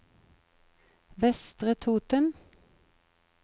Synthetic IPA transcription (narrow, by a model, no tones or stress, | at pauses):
ʋɛst̪ʁət̪ʰuːt̪ən